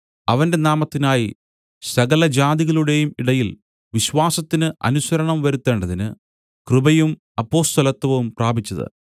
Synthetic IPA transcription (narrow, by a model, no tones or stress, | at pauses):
ɐʋɐnde̞naːmɐt̪ːinaːji | sɐɣɐlɐd͡ʑaːd̪iɣɐɭuɽe̞jumiɽɐjil | ʋiɕʋaːsɐt̪ːinɨʔɐ̰nusɐɾɐɳɐmʋɐɾut̪ːe̞ːɳɖɐðinɨ | krɨbɐjum | ɐpːo̞ːst̪ʰɐlɐt̪ːʋɐʋumpraːbʱit͡ɕːɐðɨ̰